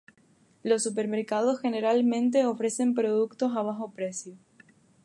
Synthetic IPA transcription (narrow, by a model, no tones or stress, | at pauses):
lo̞sːupe̞ɾmeɾkaðosxe̞ne̞ɾalmẽ̞nt̪̬e̞ofɾe̞se̞mpɾo̞ð̞ukt̪o̞saβ̞axo̞pɾe̞sjo